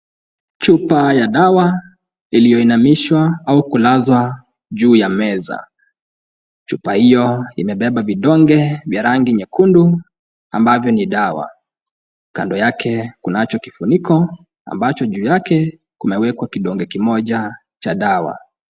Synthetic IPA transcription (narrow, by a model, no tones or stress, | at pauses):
t͡ʃupajaɗawa | ilijɔinamiʃwaaukulazwa | ʄuːjamɛza̰ | t͡ʃupahijɔimɛɓɛɓaviɗɔŋɡɛvjaɾaŋɡiɲɛkundu | a̰mbavjɔniɗawa̰ | ka̰ndɔjakʰɛkunat͡ʃɔkifunikʰɔ | a̰mbat͡ʃɔʄuːjakɛ | kumɛwɛkwakiɗɔŋɡɛkimɔʄa | t͡ʃaɗawa̰